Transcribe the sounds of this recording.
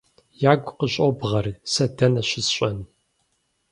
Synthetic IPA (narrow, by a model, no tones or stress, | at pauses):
jaːɡʷʼqəɕʼɔbʁɐrsɐdɐnɐɕʷɪsɕʷʼɐn